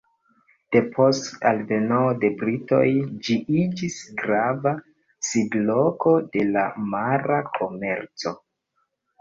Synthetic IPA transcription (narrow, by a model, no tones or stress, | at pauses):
d̥e̞pʰo̞stalve̞noode̞bɾito̞̰jd͡ʒiʔid͡ʒisɡɾava | sidlo̞ko̞de̞lamaɾakʰo̞me̞ɾt͡so̞